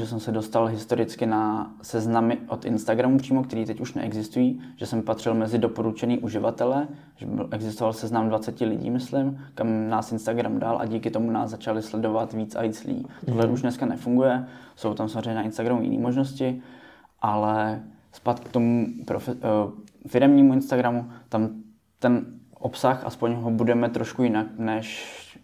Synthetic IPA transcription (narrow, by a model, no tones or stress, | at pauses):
ɛs̬ɛmsɛdo̞st̪alɦɪst̪o̞ɾɪt͡skɪna | sɛznamɪʔot̪ʔɪnst̪aɡɾamupr̝̥iːmo̞kt̪ɛɾiːt̪ɛcuʃnɛ̰ʔɛɡzɪst̪ujiːʒ̥ɛsɛmpat̪r̥ɪlmɛzɪdo̞po̞ɾut͡ʃɛniːʔuʒɪvat̪ɛlɛ | ʒɛbɪ̰lʔɛɡzɪst̪ovalsɛznamdvat͡sɛcɪlɪ̰ɟḭːmɪslɪmkamnaːsɪnst̪aɡɾamda̰lʔa̰ɟiːkɪt̪o̞muna̰ːsːat͡ʃalɪslɛdo̞vat̪viːt͡sa̰viːt͡slɪ̰ɟḭːt̪oɦlɛʔuʃnɛskanɛfuŋɡujɛso̞wt̪amsamozrɛjɲɛnaɪnst̪aɡɾamujɪ̰nʔḭːmo̞ʒnoscɪ | ʔalɛ | spat̪kt̪o̞mupɾof | fɪɾɛmɲiːmuɪnst̪aɡɾamut̪am | t̪ɛn | ʔopsaxʔa̰spo̞ɲɦobudɛmɛt̪ɾo̞ʃkujɪnaknɛʃ